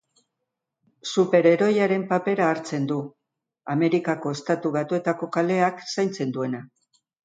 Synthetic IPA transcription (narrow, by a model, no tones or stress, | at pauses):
supe̞ɾe̞ɾo̞jaɾe̞mpape̞ɾaːɾt͡se̞nd̪u | ame̞ɾikako̞e̞st̪at̪uβ̞at̪ue̞t̪ako̞kale̞aksajnt͡se̞nd̪ue̞na